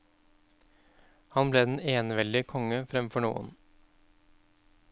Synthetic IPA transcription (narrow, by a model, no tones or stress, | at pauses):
hɑnbleːd̪ɛn̩eːnəʋɛld̪ɪkʰɔŋəfɾɛmfɔɳṵːə̰n